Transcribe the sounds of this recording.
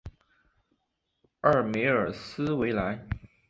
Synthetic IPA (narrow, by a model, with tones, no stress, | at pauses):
ə˞˥˩me˧˥ɪə˞˨˩sɹ̩˥we˧˥ɪla˧˥ɪ